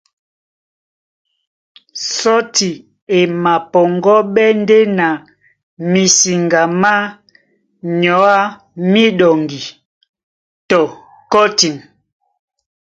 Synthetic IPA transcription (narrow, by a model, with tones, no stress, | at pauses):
sɔ˦ti˨ | e˨ma˨pɔ˨ŋɡɔ˦ɓɛ˦n˦de˦na˨ | mi˨si˨ŋɡa˨ma˦ | ɲɔ˨˦a˦ | mi˦ɗɔ˨ŋɡi˨ | tɔ˨ | kɔ˦ti˨n